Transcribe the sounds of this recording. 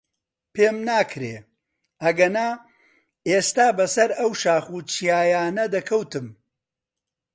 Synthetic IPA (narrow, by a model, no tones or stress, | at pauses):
pʰeːmnaːkʰɾeː | ɐɡɐnaː | eːst̪aːbɐsɐɾɐwʃaːχuːt͡ʃʰijaːjaːnɐd̪ɐkʰɐwt̪ɨm